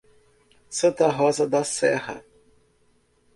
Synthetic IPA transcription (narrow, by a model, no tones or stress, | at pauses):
sɐ̃t̪ɐɦɔzɐd̪ɐsɛhɐ̰